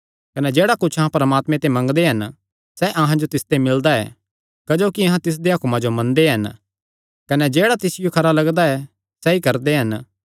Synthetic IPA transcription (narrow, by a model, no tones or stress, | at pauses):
kɐnɛd͡ʒeːɽakʊt͡ʃʰɐɦãpɐɾəmaːt̪mẽt̪emɐ̃ŋɡd̪eɦɐn | sɛʔɐɦãd͡ʒot̪ɪst̪emɪld̪aɛ̰ː | kɐd͡ʒoːkiɐ̃ɦãt̪ɪs̬d̪eɦɐkmãd͡ʒomɐ̃nd̪eɦɐn | kɐnɛd͡ʒeːɽat̪ɪsɪjokʰɐɾalɐɡd̪aɛ | sɛikɐɾd̪eɦɐn